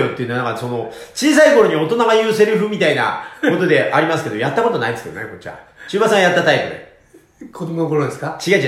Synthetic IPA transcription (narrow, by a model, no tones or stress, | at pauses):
ot̪ːeiɯ̟nonakaso̞no̞t͡ɕiːs̬aiko̞ɾo̞ɲ̟io̞t̪o̞naɡajɯːse̞ɾɯ̟ɸɯ̟mʲit̪aina̰ko̞t̪o̞d̪e̞ʔaɾʲimasɨ̥ke̞d̪ojat̪ːako̞t̪o̞naid̪esɨ̥keo̰neko̞t͡ɕːiβa̰t͡ɕɨːbasãjat̪ːat̪aipɯ̟d̪ḛ | kʰod̪omonokoɾod̪esɨ̥kat͡ɕiɡait͡ɕ